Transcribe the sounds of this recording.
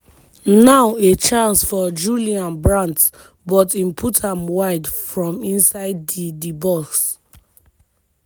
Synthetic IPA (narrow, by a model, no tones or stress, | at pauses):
naʊet͡ʃãnsfɔd͡ʒuliãnbɹãnt | bɔtĩmpʰutãmwaɪdfɹɔ̃mĩnsaɪdidibɔks